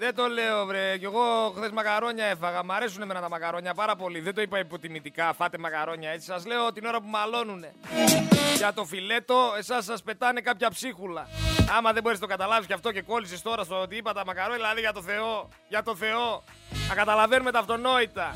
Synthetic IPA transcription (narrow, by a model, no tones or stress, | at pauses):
ðet̪o̞le̞o̞vɾece̞ɣo̞xθe̞zmɐkɐɾo̞ɲɐe̞fɐɣɐmɐɾe̞suneme̞nɐt̪ɐmɐkɐɾo̞ɲɐpɐɾɐpo̞liðed̪o̞ipɐipot̪imit̪ikɐfɐt̪emɐkɐɾo̞ɲɐe̞t͡si̥sɐzle̞ot̪ino̞ɾɐpumɐlo̞nune̞ | ʝɐt̪o̞file̞t̪o̞e̞sɐsːɐspe̞t̪ɐne̞kɐpçɐpsixulɐɐmɐðeboɾesnt̪ɡɐt̪ɐlɐvisʝɐft̪o̞ce̞ko̞lisist̪o̞ɾɐst̪oot̪iipɐt̪ɐmɐkɐɾo̞ɲɐðilɐðiʝɐt̪o̞θe̞o̞ | ʝɐt̪o̞θe̞o̞ | ɐkɐt̪ɐlɐve̞nume̞t̪ɐːft̪o̞no̞it̪ɐ